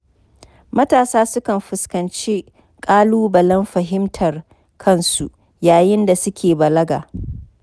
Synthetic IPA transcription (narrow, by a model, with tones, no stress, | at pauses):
mɐ˦taː˨saː˦sʊ˦kɐ˨mɸɪ˨skɐ˨nt͡ʃeː˦ | kʼaː˦luː˦bɐ˨lɐ˦mɸɐ˨ɦɪ˦mtʰɐ˨r | kʰɐ˦˨nsṵ˨ʔ | jaː˨jɪ˦nda˨sʊ˦kʲeː˨bɐ˨lɐ˦ɡa̰ː˨